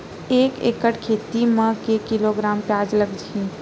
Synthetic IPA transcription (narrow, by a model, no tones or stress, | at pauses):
eːkḛːkəʈʰkʰeːt̪imə̃kekɪloɡɾaːmpjaːd͡ʒləɡd͡ʒĩː